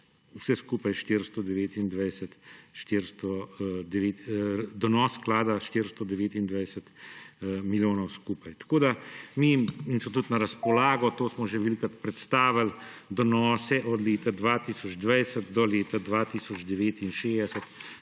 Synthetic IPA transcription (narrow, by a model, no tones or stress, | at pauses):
wsɛskuːpajʃt̪ɪɾst̪ɔd̪ɛʋeːt̪ind̪ʋɛjsət̪ʃt̪ɪɾst̪ɔd̪ɛʋeːt̪d̪ɔnɔːsːklaːd̪aʃt̪ɪɾst̪ɔd̪ɛʋeːt̪ind̪ʋajsət̪ | miljoːnɔwskuːpajt̪ḁkoːd̪amiinsmɔt̪ut̪naɾɐspɔlaːɡɔt̪oːsmɔʒeʋɛlikat̪pɾɛt̪st̪aːʋald̪ɔnɔːsɛʔɔd̪leːt̪ad̪ʋat̪isɔd͡ʒd̪ʋajsət̪d̪ɔleːt̪ad̪ʋaːt̪isɔd͡ʒd̪ɛʋeːt̪inʃeːd̪ɛsət̪